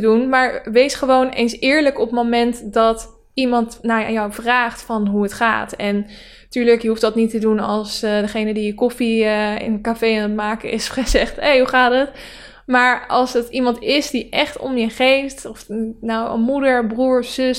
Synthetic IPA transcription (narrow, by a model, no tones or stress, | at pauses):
dunmaːɹʋejsχəʋownejnsɪːɹləkɔpmomɛntdɑt | imɑntnajawvraːχtfɑnɦuətχa̰ːtɛn | tyːɹləkjəɦufdɑtnitədunɑlˠsdəχejnədijəkɔfiəɪ̰nəkafejanətmaːkəɪsχəzɛχtɦejɦuχaːtət | maːɹɑlˠsətimɑntɪsdiʔɛχtɔ̰mjəχejftɔfnawə̰nmudəɹbruːɹsɵs